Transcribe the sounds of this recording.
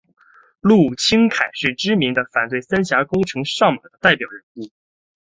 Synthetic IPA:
lu˥˩t͡ɕʰi˥ŋkʰa˨˩ɪʂɻ̩˥˩ʈ͡ʂɻ̩˥mi˧˥ŋd̪ə˧fa˨˩nt̪we˥˩ɪsa˥nɕja˧˥kʊ˥ŋʈ͡ʂʰɤ˧˥ŋʂɑ˥˩ŋma˨˩d̪ə˦t̪a˥˩ɪpjɑ˨˩ʊɻə˧˥nu˥˩

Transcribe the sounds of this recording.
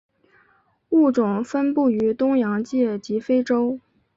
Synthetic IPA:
u˥˩ʈ͡ʂʊ˨˩ŋfə˥npu˥˩y˧˥t̪ʊ˥ŋjɑ˧˥ŋt͡ɕjɛ˥˩t͡ɕi˧˥fe˥ɪʈ͡ʂo˥ʊ

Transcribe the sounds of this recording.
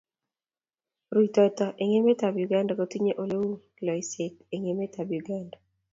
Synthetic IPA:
ɾu˨tɔ˦tɔ˨ʔe˨ŋe˦me˦ta˨bju˨ɡa˦nda˨ko˨ti˦ɲe˦ʔo˦le˦wu˦kɪ˨lɔ˨i˨sɪ˨ke˨ŋe˨˦me˦ta˨bju˨ɡa˦nda

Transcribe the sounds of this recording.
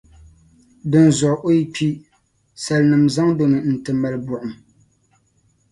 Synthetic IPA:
dɨ˨n˨zʊ˨ʔʔo˦i˦pʰi˦ | sa˨lnɨ˨mza˦ŋdo˨nɨ˨n̩˨tɨ˨ma˨lɨ˦bʊ˨ʔʊ˨m

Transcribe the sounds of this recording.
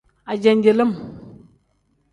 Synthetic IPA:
a˨d͡ʒe˨nd͡ʒe˨lə˦m

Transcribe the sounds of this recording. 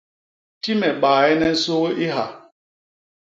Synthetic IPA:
ti˦mɛ˨ɓaː˨ɛ˦nɛ˦n̩˦so˦ʔi˦ɦa˨

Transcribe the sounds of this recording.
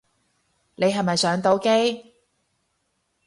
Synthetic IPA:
ne˨˧jɦɐ˨jmɐ˨jsœː˨˥ŋt̪o˨˥wke˥j

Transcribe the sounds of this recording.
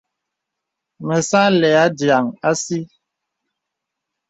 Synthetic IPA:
mə˨sã˦lɛ˨a˦dja˨ŋa˦si˦

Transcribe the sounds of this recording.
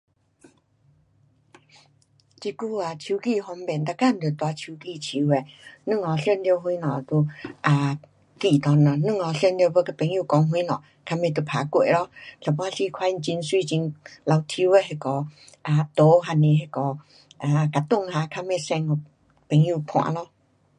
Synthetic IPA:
t͡ɕi˧ku˧˨a˨t͡ɕʰi˧˦ki˧˨ɦɔ˧mbɛ˨nt̪a˧ka˧˨m̩˨d̪e˨t̪wa˧˦t͡ɕʰiu˧ki˧˨t͡ɕʰi˧˦we˧˨nɨ̃˥˧ŋɔ˨˩ɬjɛ˥˧˨nljɦwĩ˧˦nɔ̃˨t̪u˧a˨˩ | ki˧˨t̪ɔ˧nːɔ˨˩nɨ̃˥˧˨ŋɔ˨˧˩ɬɛ˥˧nljbə˧˦ka˧pɛ˨ŋju˧˨kɔ˧ŋɦwĩ˧˦nɔ˨ | kʰa˧mẽ˧˨t̪̬u˧pʰa˨˦kwḛ˧˨lɔ˦ɬʰa˨˩pːɬi˧˨kʰwa˧˦i˧n˧t͡ɕi˧nswi˧˨t͡ɕi˧nla˧wt̪ʰi˧˦we˧ɦe˧kɔ˨˦ | ʔa˨t̪o˧˦ɦa˧nĩ˧˨ɦe˧kɔ˨ | a˨ka˨t̪u˥˧˨ŋha˧kʰa˧mẽ˧sɛ̃˧ŋɔ˧˩ | pɛ˨˦ŋju˧˨pʰw̃ã̰˧˨lɔ˧˦

